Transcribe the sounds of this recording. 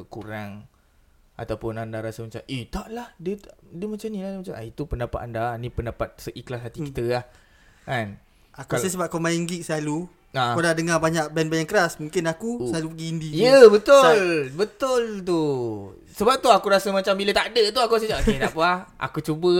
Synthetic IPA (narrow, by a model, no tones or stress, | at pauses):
kuɾaŋ | ʔa̰t̪awpʊnandaɾasəmat͡ʃa̰mit̪aʔlahdət̪aʔdəmat͡ʃamniladmat͡ʃama̰it̪upəndapat̪andanipəndapat̪̚səʔiklasɦat̪ikit̪əlah | kan | akusas̬əbap̚komajiŋɡiʔ̚səlalu | akolahdəŋabaɲaʔ̚bɛnbaɲaŋkəɾasmũŋkɪnakusəlalupəɡiːndiijəbət̪ʊlbət̪ʊlt̪u | səbap̚t̪uakuɾasəmat͡ʃambilət̪aʔdət̪uakuas̬əd͡ʒaʔkedaʔpaha̰kut͡ʃubə